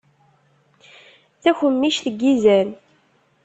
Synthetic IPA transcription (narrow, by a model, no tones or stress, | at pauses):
θæçəmːiʃθəɡːizæn